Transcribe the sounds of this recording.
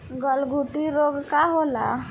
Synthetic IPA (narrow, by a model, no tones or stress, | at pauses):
ɡəlɡʱuʈiɾoɡkaɦola̰